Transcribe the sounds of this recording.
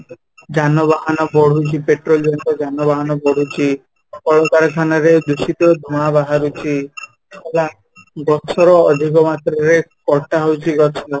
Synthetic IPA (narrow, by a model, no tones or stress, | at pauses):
d͡ʒanɔbaɦanɔbɔɽ̤ut͡ʃʰipeʈɾold͡ʒant̪ɔd͡ʒanɔbaɦanɔbɔɽ̤ut͡ʃʰi | kɔɭɔkaɾɔk̪ʰanaɾed̪usit̪ɔd̪ʱumabaɦaɾut͡ʃʰi | ela | ɡɔsɔɾɔːd̪ʱikɔmat̪ɾɔɾekɔɾʈaɦowt͡ʃʰiɡɔsʰɔ